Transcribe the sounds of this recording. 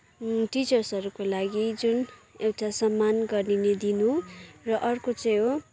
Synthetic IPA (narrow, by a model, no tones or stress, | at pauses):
ʈit͡sʌrsʌɾukolaɡid͡zunewʈasʌmːanɡʌrnined̪inurʌʔʌrkot͡sʌj̃ɦo